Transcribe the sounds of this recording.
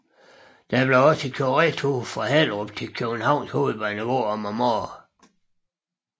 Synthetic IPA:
d̥æb̥leɒ̽st͡sʰe̝kʰoʁɛt͡sʰofʁɑ̈hel̰ʁob̥̚t͡sʰe̝kʰøb̥n̩hɑ̈ʊ̰nsho̝ːð̩ˠʋɑ̈nəʋo̰ːɒmɑmo

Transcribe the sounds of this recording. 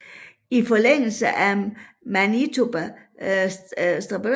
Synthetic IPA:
ifɒleŋ̰l̩səʔæmænit͡sʰob̥ | sd̥ʁɑb̥ø

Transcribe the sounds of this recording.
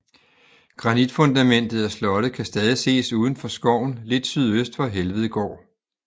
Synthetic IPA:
ɡ̥ʁɑ̈nid̥fɔ̽nd̥æmen̰d̥ð̞̩ˠɒslɒ̽ɾ̥əkʰæsd̥ɛːð̞ˠise̝̰ːsuːð̞ˠn̩fɒ̽sɡ̥ɒʊ̰n̩le̝d̥syð̞̰ˠøsd̥ʋɒ̽ɦelʋəð̞̩ˠɡ̥ɒ̰ː

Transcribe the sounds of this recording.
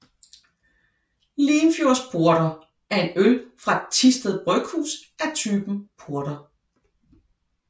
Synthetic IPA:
liːnfjoɐspʰo̝ɐɾ̥ɐ | æɐe̝nølfʁɑ̈et͡sʰisd̥əð̩ˠb̥ʁœɡ̥hṵːsæɐt͡sʰyːb̥m̩pʰo̝ɐɾ̥ɐ

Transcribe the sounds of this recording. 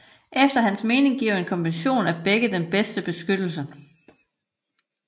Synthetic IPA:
ʔefd̥ɐɦænsme̝ːne̝ŋɡ̥iɐ̰e̝nkʰɒ̽nʋenɕo̝̰ːnæb̥eɡ̥əd̥enb̥esd̥əb̥e̝sɡ̥ød̥l̩sə

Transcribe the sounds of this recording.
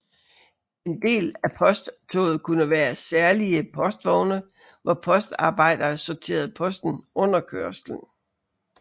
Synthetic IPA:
e̝nd̥e̝̰ːlæpʰɒ̽sd̥t͡sʰɔ̰ːð̩ˠkʰunəʋæːɐsæɐliəpʰɒ̽sd̥ʋɒʊnə | ʋɒpʰɒ̽sd̥ɑ̈ːb̥ɑ̈ɪ̰d̥ɐːsɒt͡sʰe̝̰ːɐð̞̩ˠpʰɒ̽sd̥n̩ɔ̽n̰ɐkʰøɐ̰sln̩

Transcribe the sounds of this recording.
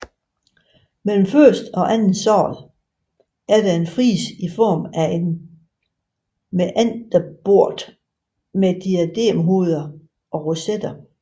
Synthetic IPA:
mel̰m̩fɶɐ̰sd̥ɒ̽ʔænn̩sɒ̰ːlˠ | æɐd̥æe̝nfʁḭːsifɒ̰ːmæe̝n | meʔænd̥ɐb̥o̝ɐ̰d̥ | med̥iæd̥e̝̰mɦo̝ðˠɐ | ʔɒ̽ʁosed̥ɐ

